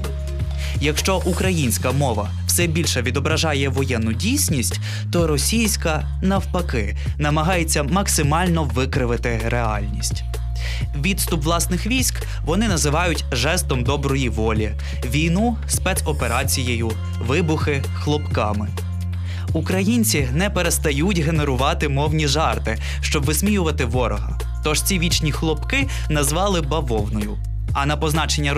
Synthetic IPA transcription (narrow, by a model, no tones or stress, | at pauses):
jɐkʃt͡ʃɔʔukɾɐjinʲsʲkɐmɔʋɐ̰ | w̥sɛbʲilʲʃɛʋʲid̪ɔbɾɐʒɑjɛʋɔjɛnːʊdʲijsʲnʲisʲtʲ | t̪ɔɾɔsʲijsʲkɐ | nɐwpɐkɪ | nɐmɐɦɑjet͡sʲːɐmɐksɪmɑlʲnɔʋɪkɾɪʋɪt̪ɪ | ɾʔeɑ̰lʲnʲisʲtʲ | ʋʲid̪st̪ʊpʋlˠɑsnɪxʋʲisʲk | ʋɔnɪnɐzɪʋɑjʊtʲʒɛst̪ɔmd̪ɔbɾɔjiʋɔlʲi | ʋʲijnu | spɛt̪sɔpeɾɑt͡sʲijejʊ | ʋɪbʊxɪ | xlˠɔpkɑmɪ | ukɾɐjinʲt͡sʲinɛpeɾest̪ɐjutʲɦe̞neɾʊʋɑt̪ɪmɔwnʲiʒɑrt̪ɪ | ʃt͡ʃɔbʋɪsmʲijʊʋɐt̪ɪʋɔɾɔɦɐ̰ | t̪ɔʒ̥t͡sʲiʋʲit͡ʃnʲixlˠɔpkɪ | nɐzʋɑlˠɪbɐʋɔwnɔjʊ̰ | ɐnɐpɔznɑt͡ʃenʲːɐ